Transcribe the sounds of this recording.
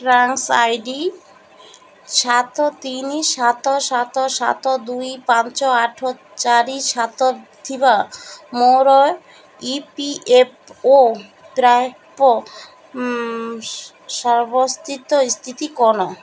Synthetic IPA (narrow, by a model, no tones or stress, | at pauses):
ʈɾaŋsajɖi | ʃat̪ot̪iniʃat̪oʃat̪oʃat̪od̪ujpãnt͡ɕoaʈʰo | t͡ɕaɾiʃat̪od̪ʰʱibamowɾɔe | ipiʔep̚o | pɾa | po | ʃɔɾbost̪ʰit̪ost̪ʰit̪ikɔno